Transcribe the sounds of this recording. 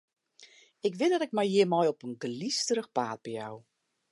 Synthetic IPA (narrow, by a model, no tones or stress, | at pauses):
ɪkʋɪdɔtɪk̚mɛjjɪmɔjɔpənɡlistəɾəxpaːt̚b̥ja̰w